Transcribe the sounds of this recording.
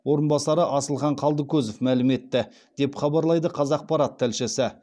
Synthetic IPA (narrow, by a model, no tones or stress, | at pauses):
wo̞ɾənbɑsɑɾəʔɑsəlˠχɑɴqʰɑlˠd̪əkʲɵzofmælɪme̞t̪ːɪ | d̪̥e̞pχɑbɑɾlˠɑjd̪əqʰɑzɑq̚pɑɾɑt̪ʰːælʃɪsɪ